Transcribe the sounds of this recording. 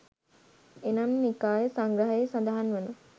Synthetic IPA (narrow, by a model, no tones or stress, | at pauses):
enamːikaːjəsaŋɡɾəɦəjsand̪aɦanʋənə